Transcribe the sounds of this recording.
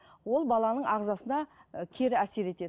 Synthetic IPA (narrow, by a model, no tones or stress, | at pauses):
wo̞lˠbɑlˠɑnəɴɑʁzɑsənɑkʲʰe̞ɾɪæse̞ɾe̞t̪e̞d̪ɪ